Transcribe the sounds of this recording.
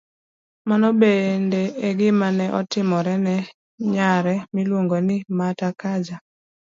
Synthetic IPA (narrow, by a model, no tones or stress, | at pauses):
manɔbendeeɡɪmanɛʔɔtɪmɔɾɛnɛ | ɲaɾɛmilwoŋɡonɪmatakad͡ʒa